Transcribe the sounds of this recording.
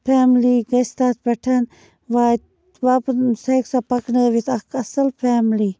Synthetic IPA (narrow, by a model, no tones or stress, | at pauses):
pʰaːmliɡɐst̪aːt̪̚pɐʈʰɐn | ʋaːt̪ | ʋapsɐjksapɐkneːʋit̪ɐkʰɐsɐlpʰaːmli